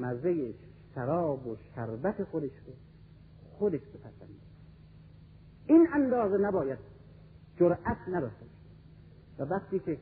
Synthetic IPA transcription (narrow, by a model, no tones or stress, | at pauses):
mæzejeʃ | æɾɒːboʃæɾbæt̪ʰexod̪eʃɾo | xod̪eʃbepʰæzænd̪e | inʔænd̪ɒːzenæbɒːjæd̪̚ | d͡ʒoɾʔæt̪ʰnæd̪ɒʃt̪ebʃ | vævæxt̪iːkʰʲe